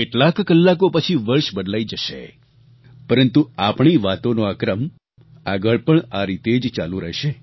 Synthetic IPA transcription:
keʈlakːəlːakopət͡ʃʰiʋəɾʃbəd̪laid͡ʒəʃḛ | pəɾənt̪uapɳ̃iʋat̪onoakɾəm | aɡəɭpəɳaɾit̪ed͡ʒt͡ʃalũɾəɦʃe

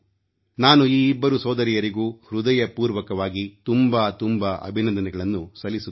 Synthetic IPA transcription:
naːnuiːbːɐɾusɔːd̪ɐɾijɐɾiɡuːhɾud̪ɐjɐpuːɾʋɐkɐʋaːɡit̪umbaːt̪umbɐʔɐ̰bʱinɐnd̪ɐnɛɡɐɭɐnːusɐlːisu

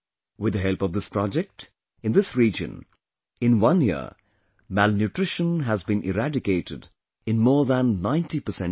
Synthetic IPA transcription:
wɪd̪əɦɛlˠpʌvd̪ɪspɾɑd͡ʒɛk̚ʈ | ɨ̃nd̪ɪsɹiːd͡ʒə̰̃n | ɪ̃nwʌ̃njḭə̰ | mælnjuʈɾɪʃə̃nɦæzbĩnʔɪ̰ɾæɖɪkeɪʈɪd | ɪ̃nmɔːðæ̃nːãɪ̃ntipəsɛ̃n

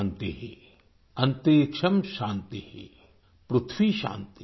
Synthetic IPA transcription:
nt̪iɦḛ | ɐnt̪eːkʂɐmʃaːnt̪ihḛ | pɾut̪ʰʋiːʃa̰ːnt̪i

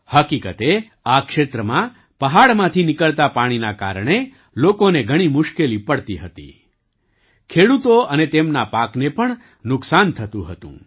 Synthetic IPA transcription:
həkikət̪e | akʃet̪ɾəmã | pəɦaɭmãt̪ʰinɪkəɭt̪apaɽ̃inaka̰ɾɳ̃e | lokoneɡʱəɽ̃imʊʃkelipəɽt̪iɦət̪ḭ | kʰeɽut̪oənet̪emnapaknepəɳ | nʊksant̪ʰət̪ũɦət̪ṵ̃

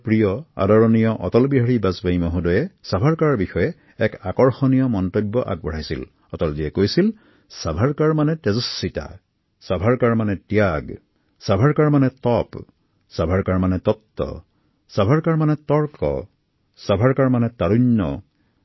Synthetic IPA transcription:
pɹijɔa̰dɔɹɔnijɔʔɔ̰tɔlbiɦaɹibazbajmɔɦudɔjɛsabʱaɹkaɹaɹbixɔjɛ | ɛkakɔɹxɔnijɔmɔntobːɔʔa̰ɡ̚bɔɹajsḭl | ɔtɔlziɛkojsil | sabʱaɹkaɹmanɛtɛzɔsːita̰ | sabʱaɹkaɹmanɛtjaɡ | sabʱaɹkaɹmanɛtɔp | sabʱaɹkaɹmanɛtɔtːɔ̰ | sabʱaɹkaɹmanɛtɔɹkɔ̰ | sabʱaɹkaɹmanɛtaɹuɲːɔ̰

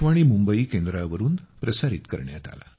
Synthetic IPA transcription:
ʋaɽ̃imumbəikend̪ɾaʋəɾuːnpɾəsaɾit̪kə̰ɾɳja̰t̪a̰la̰

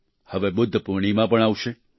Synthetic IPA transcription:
həʋebʊd̪ʱːəpuɾɳ̃imãpəɳaʋʃe

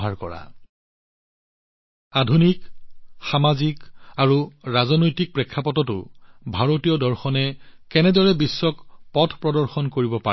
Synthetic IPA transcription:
ɦaɹkɔ̰ɹa̰ | adʱunikxamazikaɹuɹazɔnojtik̚pɹekʰːapɔtɔtʊ̰bʱaɹotijɔdɔɹxɔnɛkɛnɛdɔɹɛbisːɔkpɔtʰpɹɔdɔɹxɔnkoɹibɔpa

